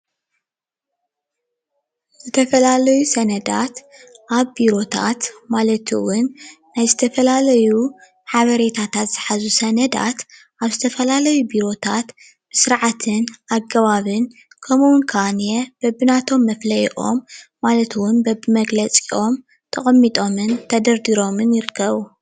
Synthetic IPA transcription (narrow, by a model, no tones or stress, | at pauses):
zɨt̪ʰɐfɐlalɐjusɐnɐd̪at̪ʔaβbiɾo̞t̪ʰa̰t̪malɐt̪ʰɨ̰wʊnː | ajzɨt̪ʰɐfɐlalɐju | ħaβɐɾe̞t̪ʰat̪ʰat̪z̥ɨħazusɐnɐd̪a̰t̪ | ʔaβzɨt̪ʰɐfɐlalɐjubiɾo̞t̪ʰat̪ | bɨsɨɾʕat̪ʰɨnʔaɡɐβaβɨn | kʰɐmuwʊnkʰanjeb̥ɐbɨnat̪ʰo̞mːɐflɐjʔo̞̰mː | alɐt̪ʰwʊnbɐbɨmɐɡlɐt͡sʼiʔo̞m | t̪ʰɐχʼɐmːit̪ʼo̞mɨnt̪ʰɐd̪ɐɾd̪iɾo̞mɨnjɪɾɨkʰːɐβu